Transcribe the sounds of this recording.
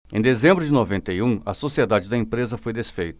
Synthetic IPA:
ẽd̪ezẽmbɾʊd͡ʒɪnovẽnt̪ɐjũɐ̰sosied̪ad͡ʒɪd̪ɐẽmpɾezɐfojd̪esfejt̪ɐ̥

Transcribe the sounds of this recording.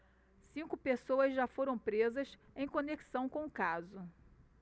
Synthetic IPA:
sĩŋkʊpesowɐzʒafoɾɐ̃w̃pɾezɐsẽj̃koneksɐ̃w̃kõʊkazʊ

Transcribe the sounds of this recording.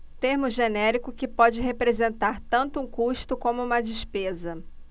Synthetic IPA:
t̪eɾmʊʒenɛɾikʊkɪpɔd͡ʒɪɦepɾezẽnt̪aɾt̪ɐ̃nt̪ʊũkuʃt̪ʊkõmʊũmɐd͡ʒiʃpezɐ

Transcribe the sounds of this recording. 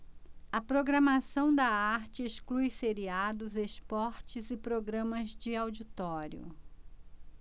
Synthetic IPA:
ɐpɾoɡɾɐmasɐ̃w̃d̪ɐaɾt͡ʃɪesklujseɾiad̪ʊzespɔɾt͡ʃɪzɪpɾoɡɾɐ̃mɐzd͡ʒɪawd͡ʒit̪ɔɾjʊ̰

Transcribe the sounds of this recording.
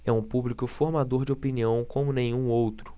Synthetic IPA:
ɛũpublikʊfoɾmad̪oɾd͡ʒɪopiniɐ̃w̃kõmʊnẽj̃ũowt̪ɾʊ̥

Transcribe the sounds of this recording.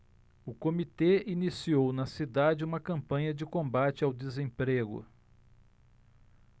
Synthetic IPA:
ʊkomit̪einisiownɐsid̪ad͡ʒɪũmɐkɐ̃mpɐ̃ɲɐd͡ʒɪkõmbat͡ʃɪawd̪ezẽpɾeɡʊ̰

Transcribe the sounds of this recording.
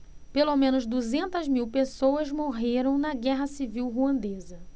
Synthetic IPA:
pelomẽnʊzd̪uzẽnt̪ɐzmiwpesowɐzmoɦeɾɐ̃w̃nɐɡɛɦɐsiviwɦuɐ̃nd̪ezɐ

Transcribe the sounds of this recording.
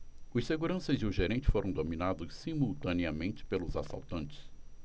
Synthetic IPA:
ʊseɡuɾɐ̃sɐzd͡ʒɪʊʒeɾẽnt͡ʃɪ̥foɾʔɐ̃w̃d̪omĩnad̪ʊssimuwt̪ɐ̃niɐmẽnt͡ʃɪ̥pelʊzasa̰wt̪ɐ̃nt͡ʃɪ̥s

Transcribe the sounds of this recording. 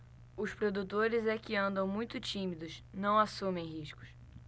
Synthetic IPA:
ʊspɾod̪ut̪oɾɪzɛkɪɐ̃nd̪ɐ̃w̃mũj̃t̪ʊt͡ʃĩmid̪ʊznɐ̃w̃asũmẽj̃ɦiʃkʊ̥s

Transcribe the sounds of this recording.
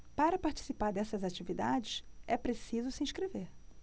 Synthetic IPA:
paɾɐpaɾt͡ʃi̥sipaɾd̪ɛsɐzat͡ʃivid̪a̰d͡ʒɪʃɛpɾesizʊsɪĩʃkɾeveɾ

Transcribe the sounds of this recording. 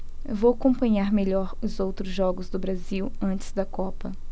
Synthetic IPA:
vowakõmpɐ̃ɲaɾmeʎɔɾʊzowt̪ɾʊzʒɔɡʊzd̪ʊbɾaziwɐ̃nt͡ʃɪ̥zd̪ɐkɔpɐ

